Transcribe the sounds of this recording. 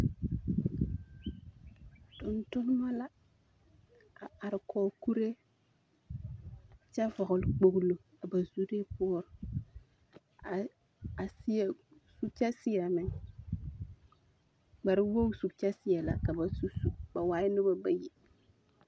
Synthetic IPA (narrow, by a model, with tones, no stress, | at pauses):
tʊ˨ntʊ˦n˦ma˦la˦ | a˨a˨ɾɪ˨kʰɔː˨ku˦ɾe˦ | t͡ʃa˦vɔ˨ɣʊ˨lk͡po˨ɡlo˨ | a˨ba˨zu˦ɾe˦pʊ˦ɔ˦ɾ | a˨si˦ɛ˨ | su˦t͡ʃa˦sɪ˦a˨mɪ˨ŋ | ɡ͡ba˨ɾɪ˦wo˦ŋ˦su˨t͡ʃa˦sɪ˦jɛ˨la̰˨ka˨ba˨su˦su˨ba˨waː˦jnɪ˦ba˦ba˦je˨